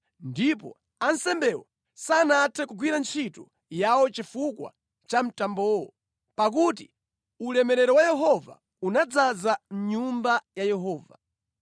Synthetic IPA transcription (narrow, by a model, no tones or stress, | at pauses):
ndip̬ɔ̰ | ansɛmbɛwɔ | sanatʰɛkuɡwiɾant͡ʃʰitu | jawɔt͡ʃifukwa̰ | t͡ʃam̩tambɔːwɔ | pak̬ut̬i | ulɛmɛɾɛɾɔwajɛɦɔva̰ | unad͡zazam̩ɲumbajajɛɦɔːva̰